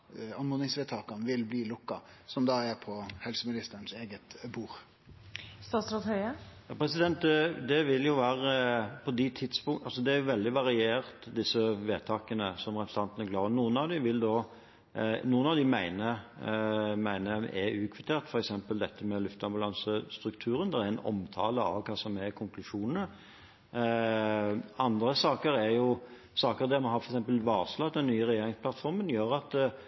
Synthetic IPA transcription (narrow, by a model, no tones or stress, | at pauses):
ɑnmʊnɪŋsʋeːt̪ʰɑːkɑnʋɪlbliːlʊkːɑsɔmd̪ɑɛpʰɔhɛlsəmɪnɪst̪ənseːɡət̪buːɾ | st̪ɑsɾɑt̪hœʏəjɑːpʰɾɛsɪd̪ɛnt̪ɛd̪ɛʋɪljʊʋæːɾəpʰɔd̪ɪt̪ʰɪd̪spʊŋɑlsɔd̪ɛæɾjʊʋɛld̪ɪʋɑɾɪeːɾt̪d̪ɪsːəʋeːt̪ʰɑːkənəsɔmɾɛpəst̪ɑnt̪ənəɡlɑːənuːənɑʋd̪ɪʋɪld̪ɔ | nuːənɑʋd̪ɪmæɪnə | mæɪnəɛʉːkʰʋɪt̪ʰeːɾt̪fɔɾɛksɛmpəld̪ɛt̪ʰːəmɛlʉft̪ɑmbʉlɑnsəst̪ɾʉkt̪ʰʉːɾənd̪ɛɾæɛnɔ̰mt̪ʰɑːləɑ̰ʋkʰɑːsɔmæɾkʰʊŋkʰlʉʂuːnənə | ɑnd̪ɾəsɑːkəɾæɾjʊ | sɑːkəɾd̪ɛɾmɑnhɑfɔɾɛksɛmpəlʋɑːʁslɑd̪ɛnnːyːəɾɛjeːɾɪŋspʰlɑt̪fɔɾmənjøːɾɑt̪